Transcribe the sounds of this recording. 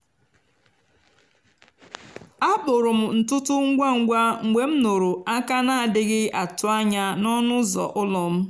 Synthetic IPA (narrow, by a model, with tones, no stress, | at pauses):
a˦bʊ˨ɾʊ˨m̩˨n̩˨tʊ˦tʊ˦ŋ̩˦ɡʷa˦ŋ̩˦ɡʷa˦ŋ̩˨ɡ͡be˨m̩˦no˨ɾo˨a˦ka˦na˦˨dɪ˦ɡɪ˦a˨tʊ˨a˦ɲa˦nɔ˦nʊ˦zɔ̰˨ʔʊ˦lɔ˨m̩˦